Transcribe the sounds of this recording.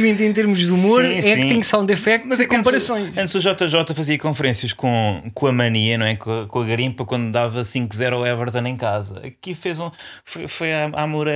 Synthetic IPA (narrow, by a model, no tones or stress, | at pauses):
vẽnt̪ẽt̪̬eɾmuʒðumoɾ̃sɛsik̪ɲsãw̃nd̪efɛk̚t̪mɐzɛkõmpɐɾɐsõj̃ʃɐ̃nt̪zuʒɔt̪ɐʒɔt̪ɐfɐziɐkõfɨɾẽsjɐʃkõkõɐmɐniɐnɐ̃w̃ɛkõɐkõɐɣɐɾĩmpɐkwɐ̃nd̪d̪avɐsĩŋkzɛɾɔɛvɐɾðɐ̃nẽj̃kazɐɐkifezũ | fojfojaamuɾɐ